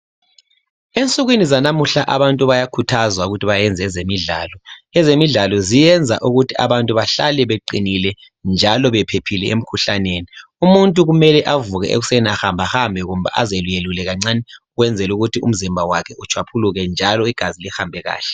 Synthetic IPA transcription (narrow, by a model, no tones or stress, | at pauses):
ent͡sʼuɣwinizanamuɬaʔaβantʼuβajakʰutʰazwauɣutʰiβajɛnd͡zʱɛzemiɮaːlɔɛzemiɮalɔzijɛnd͡zʱa̰ʔuɣutʰia̰βantʼuβaɬalɛβeǃinilɛ | nd͡ʒʱalɔβɛpʰepʰilɛʔem̩kʰuɬaneːni | umuntʼuɣumɛlɛʔavuɣɛ̰ʔḛɣusɛnaxambʱaxambʱɛɣum̩βa̰ʔazelujelulɛɣaŋ͡ǀanɛ | ɣwɛnd͡zʱɛluɣutʰiṵm̩zimbʱawakʰɛʔut͡ʃʰwapʰuluɣɛnd͡ʒʱalɔiɡ̥ʱazilixambʱɛɣa̰ːɬɛ̥